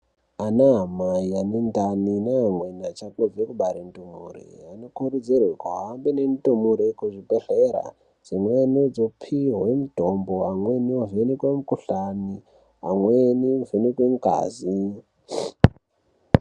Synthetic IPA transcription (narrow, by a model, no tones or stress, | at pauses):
anaɦamaianendaninaamwenat͡ʃakovekuɓaɾentumṵrḛanokuɾud͡zirwekaɦambenentumuɾekuʐibeɬeɾa̰ | d͡zimwenod͡zopʰiɦwemudʱomboamweniovenikwemukuɬani | a̰mwenivenikwemuka̰ːzi